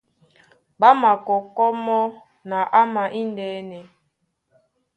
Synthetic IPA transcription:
ba˦ma˨kɔ˨kɔ˦mɔ˦ | na˨ʔa˦ma˨ʔi˦ndɛː˨˦nɛ˨

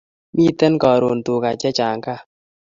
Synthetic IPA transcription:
mi˦˨tɛ˦nkɔ˨ɾo˨n˨tu˨ka˨t͡ʃɛ˦t͡ʃa˨ŋka˦˨

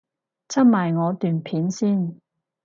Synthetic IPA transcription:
t͡sʰɐ˥t̚maː˨˩jŋɔː˨˧t̪yː˨npʰiː˨˥nsiː˥˩n

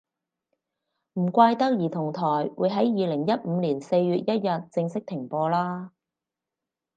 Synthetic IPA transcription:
m̩˨˩kʷaː˧jt̪ɐ˥k̚jiː˨˩t̪ʰʊ˨˩ŋt̪ʰɔː˨˩jwuː˨˧jɦɐ˨˥jjiː˨˧lɪ˨˩ŋjɐ˥t̚m̩ː˨˧liː˨˩nse˧jɥyː˨t̚jɐ˥t̚jɐ˨t̚t͡sɪ˧ŋsɪ˥k̚t̪ʰɪ˨˩ŋpɔː˧laː˥

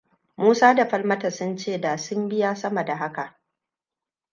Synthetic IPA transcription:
muː˦saː˦da˨ɸɐ˦lmɐ˦tɐ˨sʊ˦nt͡ʃeː˦˨da˨sʊ˦mbɪ˦jaː˦sɐ˦mɐ˨da˨ɦa˦ka˨ʔ

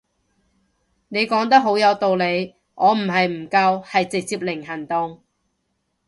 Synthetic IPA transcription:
ne˨˧jkɔː˨˥ŋt̪ɐ˥k̚ɦo˨˥wjɐ˨˧wt̪o˨wle˨˧j | ŋɔː˨˧m̩˨˩ɦɐ˨jm̩˨˩kɐ˧whɐ˨jt͡sɪ˨k̚t͡siː˧˥p̚lɪ˨˩ŋɦɐ˨˩ŋt̪ʊ˨ŋ

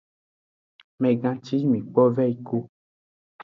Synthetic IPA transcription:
mɛ̃˨ɡã˨t͡ʃi˦mĩ˨k͡pɔ˦vɛ˦i˨˦ko˦

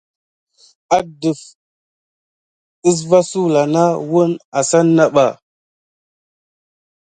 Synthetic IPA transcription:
a˦də˨f | i˦s̬va˦su˦la˨na˦wə˦na˨sa˦nːa˦ɓa˨

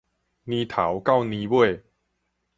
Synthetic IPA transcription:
nĩ˧˦t̪ʰa˨˦wka˥˨wnĩ˧bwe˥˨

